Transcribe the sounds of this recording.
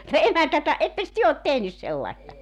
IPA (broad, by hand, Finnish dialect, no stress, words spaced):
emæntæ etːæ etːeks tyø ot tehnys selːɑestɑ